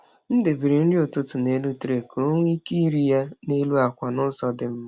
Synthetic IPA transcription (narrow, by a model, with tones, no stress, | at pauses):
n̩˦dɪ˨bi˨ɾɪ˨n̩˦dɪ˦ʊ˨tʊ˦tʊ˨ne˦lu˦tɾe˨ko˦ŋʷi˦ki˦ɾi˦ja˦ne˦lu˦a˨kʷa˨nʊ˦sɔ˦dɪ˦m̩˦